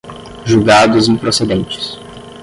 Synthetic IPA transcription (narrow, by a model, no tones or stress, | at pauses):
ʒuwɡad̪ʊzẽpɾosed̪ẽnt͡ʃɪ̥s